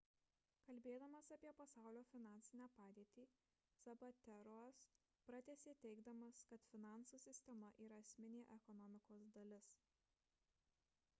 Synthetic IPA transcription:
kɐlʲbʲeːd̪ɐmɐsɐpʲiɛpɐsɑˑʊlʲoːfʲɪnɑˑnʲsʲɪnʲæːpɑːd̪ʲeːt̪ʲiː | sɐbɐt̪ʲɛɾos | pɾɐt̪ʲɛːsʲeːt̪ʲɛɪɡd̪ɐmɐskɐt̪fʲɪnɑˑnsuːsʲɪsʲt̪ʲɛmɐʔiːɾɐɐsʲmʲɪnʲeːʔɛkɔnɔmʲɪkoːsd̪ɐlʲɪs

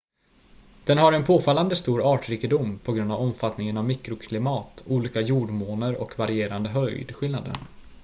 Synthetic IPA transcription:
d̪̥ɛnɦaɾɛnpʰoːfalːand̪əst̪uːɾɑːʈɾiːkɪd̪ʊmpʰɔɡɾɵnd̪avɔmfat̪nɪŋənavmɪkɾʊkʰlɪmɑːt̪uːliːkajuːɖmoːnəɾɔ̰kvaɾɪeːɾand̪əɦœjd̪ɧɪlnad̪ə̰n

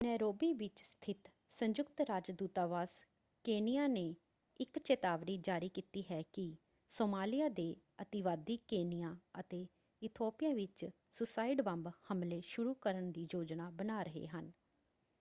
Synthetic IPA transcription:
nɛːɾoːbiːʋɪt͡ʃst̪ʰɪt̪ | səɲd͡ʒʊkt̪ɾaːd͡ʒd̪uːt̪aːʋaːs | keːnijaːneː | ɪkt͡ʃeːt̪aːʋɾiːd͡ʒaːɾiːkiːt̪iːɦɛːkɪ | soːmaːlɪjaːd̪eː | ət̪ɪʋaːd̪iːkeːnɪjãːət̪eː | ɪt̪ʰoːpɪjãːʋɪt͡ʃ | sʊsaːɪɖbəmbhəmleːʃʊɾuːkəɾənd̪iːd͡ʒoːd͡ʒnaːbənaːɾəɦḛːɦən

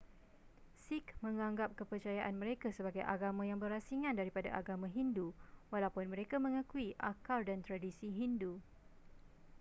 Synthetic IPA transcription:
sikmə̃ŋãŋɡap̚kəpərt͡ʃajaʔanmə̃ɾekasəbaɡajʔa̰ɡamãjaŋbərasiŋãndaɾipadaʔaɡamãɦinduwalawpʊnmə̃ɾekamə̃ŋãkuiʔakaldant̪ɾadisiɦindu

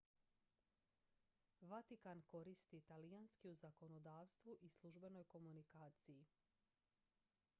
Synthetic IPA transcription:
ʋat̪ikanko̞ɾist̪it̪alijanskiuzako̞nod̪aːʋst̪ʋuʔislˠuʒbe̞no̞jko̞munikaːt̪siji

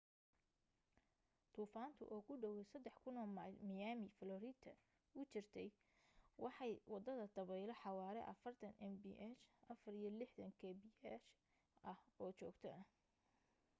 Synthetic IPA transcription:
t̪ʰuːfaːnt̪ʰʊ̰ʔɔːkʰʊɖɔwɛsɐd̪ːɛħkʰʊnɔːmamɪjaːmɪfɐlɔɾiːt̪ʰːɐ | ʊt͡ʃɪrt̪ʰɛj | wɑħɑjwɑd̪ɐðɐd̪̥ɐβɛjlɔħɑwɑːɾɛ̰ʔɐ̰fɐrt̪ʰɐnʔɛmbḭʔɛt͡ʃʔɐfɐrijɞlɪħd̪ɐŋkʰɛbiɛt͡ʃ | ʔɐhɔːt͡ʃɔ̰ːɡt̪ʰɐ

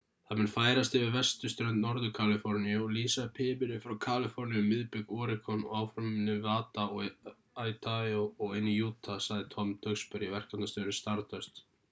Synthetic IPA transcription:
θaðmɛnfaːjɾast̪ɪvɪɾvɛst̪ʏst̪ɾœʏnt̪nɔɾðʏkʰalɪfɔɾnjɔliːsapʰɪːmɪɾɪfɾawkʰaːlɪfɔɾnɪjɔmɪðpɪkɔɾɪkʰɔnɔ̰aːwfɾʏmɪnːɪvaːt̪aɔɣ | ajt̪ʰajɔɔɣenːɪjuːt̪ʰasaɣðɪt̪ʰɔmt̪ʰœkspɛɾivɛr̥kanast̪œːɾɪst̪aɾt̪ʰœst̪

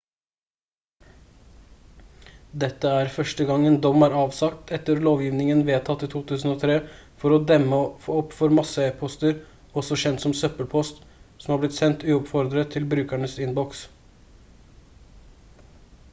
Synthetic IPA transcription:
d̪ɛt̪ːəæɾfœʂʈəɡɑŋənd̪ɔmæːɾɑːʋsɑkt̪ʰɛt̪əɾloːʋjiːʋnɪŋənʋeːt̪ʰɑt̪ːiːt̪ʰuːt̪ʰʉːsn̩oːt̪ʰɾeːfɔɾɔd̪ɛmːəfoːɔpːfɔɾmɑsəepʰɔst̪əɾ | ɔsɔɕɛnt̪sɔmsœpəlpʰɔst̪sɔmhɑːblɪt̪sɛnt̪ʉːɔpfɔɾd̪ɾət̪ʰɪlbɾʉːkæɳəsɪnbɔks

